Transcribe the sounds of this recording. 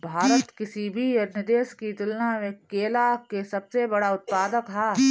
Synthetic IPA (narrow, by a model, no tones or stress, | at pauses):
bʱaːɾət̪kɪsibʱijɐɾnəd̪eːʃkit̪ʊlnamẽkeːlakesɐbsebɐɽaʊt̪̚paːd̪əkɦɛː